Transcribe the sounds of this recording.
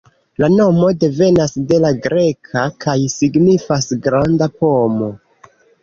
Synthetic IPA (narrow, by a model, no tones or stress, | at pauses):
lano̞mo̞de̞ve̞nasde̞laɡɾe̞kʰakʰajsiɡnifasɡɾandapo̞mo̞